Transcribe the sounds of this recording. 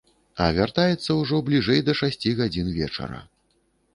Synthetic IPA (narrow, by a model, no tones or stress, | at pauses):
ɐvʲart̪ajɛt̪sːɐwʐɔblʲiʐɛjd̪ɐʂasʲt͡sʲiɣad͡zʲinvʲɛt͡ʂɐ̰ɾɐ̰